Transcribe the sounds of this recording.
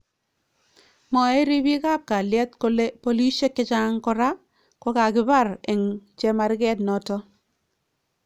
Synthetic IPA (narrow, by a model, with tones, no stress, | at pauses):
mɔ˨e˦ɾi˦bi˦ɡa˦b̚ka˨ljɛ˦t̪ko˦le˦po˦li˦ʃe˦kɪ˦t͡ʃa˦ŋkɔ˦ɾa˦ | kɔ˦ɡa˨ɡɪ˨˦ba˦˨ɾe˨ŋt͡ʃɛ˦ma˨ɾɡɛ˦tnɔ˦tɔ˦